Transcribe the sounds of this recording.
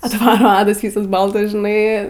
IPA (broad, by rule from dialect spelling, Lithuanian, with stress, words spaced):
ɐtˈʋɑːroː ˈɑːdɐs ˈʋʲiːsɐs ˈbɐlˠtɐs ʒʲɪˈnɐɪ